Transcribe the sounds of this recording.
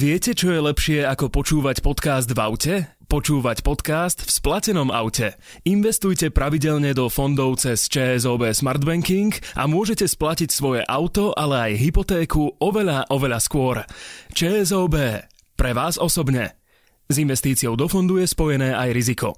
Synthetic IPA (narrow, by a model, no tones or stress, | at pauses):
ʋɪɛcɛt͡ʃɔjɛlɛpʃɪɛakɔpɔt͡ʃuːʋacpɔt̪kaːzd̪va̰ʊcɛ | pɔt͡ʃuːʋacpɔt̪kaːst̪fsplacɛnɔma̰ʊcɛ | inʋɛst̪ujcɛpɾaʋiɟɛʎɲɛd̪ɔfɔnd̪ɔʊt͡sɛst͡ʃɛːɛzɔːbɛːsmaɾd̪bɛŋkiŋkʔa̰mʊɔʒɛcɛsplacicsʋɔjɛʔaʊt̪ɔʔalɛajɦipɔt̪ɛːkuɔʋɛʎaʔɔʋɛʎaskʊɔɾt͡ʃɛːɛzɔːbɛː | pɾɛʋaːzɔsɔbɲɛ̰ | zinʋɛst̪iːt͡siɔʊd̪ɔfɔnd̪ujɛspɔjɛnɛːʔajɾizikɔ̰